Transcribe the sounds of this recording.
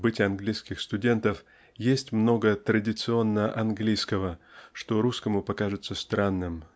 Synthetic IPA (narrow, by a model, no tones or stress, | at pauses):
bɨtʲɪɐnɡlʲijskʲɪxst̪ʊdʲe̞nt̪əf | jesʲtʲmno̞ɡət̪ɾədʲɪt̪sɨo̞nːəʔɐnɡlʲijskəvəʂt̪o̞ɾuskəmʊpɐkaʐɨt̪səst̪ɾanːɨm